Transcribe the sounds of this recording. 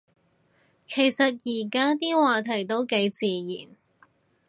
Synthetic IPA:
kʰe˨˩jsɐ˨t̚jiː˨˩kaː˥t̪iː˥waː˨˧t̪ʰɐ˨˩jt̪o˧˥wke˨˧˥jt͡siː˨jiː˨˩n

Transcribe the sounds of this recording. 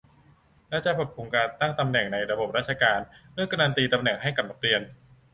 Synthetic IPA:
lɛ˦˥˩t͡ɕa˨˩pʰo˨˩t̪̚ʰu˧ŋkaː˧nt̪a˥˩ŋt̪a˧mnɛ˨˩ŋna˧jɾa˧bo˨˩p̚ɾaː˥˩t̪̚t͡ɕʰa˧kaː˧nlɯ˥˩əka˧naː˧nt̪iː˧t̪a˧mnɛ˨˩ŋɦa˥˩jka˨˩p̚na˦˥k̚ɾi˧ən

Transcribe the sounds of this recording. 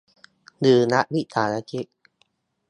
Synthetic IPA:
dɯː˨˧˩na˦˥ʔbi˦˩ʔt̪ʰaː˨˩˦na˧t͡ɕi˦˥ʔ

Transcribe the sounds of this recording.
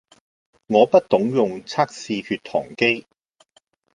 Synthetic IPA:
ŋɔː˨˧pɐ˥t̚t̪ʊ˨˥ŋjʊ˨ŋt͡sʰaː˥k̚siː˧hyː˧t̪ʰɔ̰ː˨˩ŋke˥j

